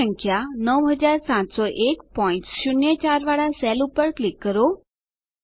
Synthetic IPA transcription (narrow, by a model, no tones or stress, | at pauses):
ə̃ŋkʰjanəwɦəd͡ʒaɾsãt̪sɔʔekpɔĩntʃʊnjət͡ʃaɾʋaɭasɛlupəɾklɪkːəɾo